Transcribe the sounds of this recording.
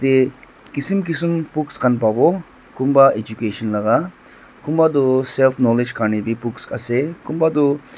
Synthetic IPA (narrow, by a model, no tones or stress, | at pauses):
t̪e | kisimk̬isimpukskʰɐnpabo | kumbaʔed͡ʒukeʃɐnlɐɡa | kumbad̪uselfʰnolid͡ʒkʰanibipukskʼɐsekumbad̪u